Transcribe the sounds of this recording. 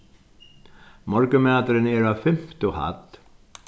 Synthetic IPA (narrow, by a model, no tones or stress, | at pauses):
mɔɾkəmæːt̪əɾənɛɾɑːʋfɛmt̪oha̰t̪